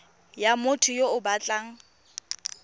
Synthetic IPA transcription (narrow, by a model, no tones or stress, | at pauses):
jamʊtʰʊjoʊbat͡ɬʼaŋ̩